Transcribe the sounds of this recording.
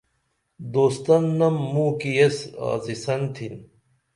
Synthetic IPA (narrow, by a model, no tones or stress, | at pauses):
d̪oːst̪ɐnːɐmːũːkijesa̰ːzisɐnt̪ʰin